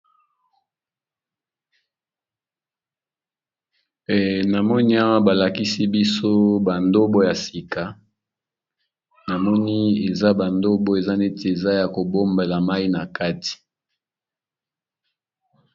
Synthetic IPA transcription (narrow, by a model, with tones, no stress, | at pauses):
na˨mɔ˦ni˦a˦wa˦ba˨la˨ki˦si˦bi˦so˦ba˨ndo˦bo˦ja˨si˨ka˨˦ | na˨mɔ˦ni˦e˨za˦ba˨ndo˦bo˦e˨za˦ne˦te˨e˨za˦ja˨ko˨bo˦mbe˨la˨ma˦i˦na˨ka˦ti̥˨